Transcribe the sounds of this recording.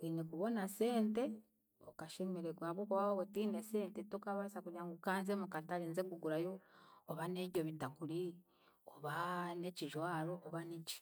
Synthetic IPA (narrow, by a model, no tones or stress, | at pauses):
inekuβo̞nase̞ːnte̞ | o̰kaʃemiɾeɡwaβokowaβotineseːntetokaβasakuɾjaŋɡukaːnzemukataɾinzekuɡuɾajoːβaneβjoβitakuɾi | oβaneciʒwaɾoʔːβanici̥